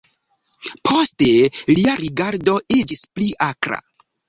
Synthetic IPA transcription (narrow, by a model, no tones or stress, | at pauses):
pʰo̞ste̞liaɾiɡaɾdo̞id͡ʒispliʔakɾa̰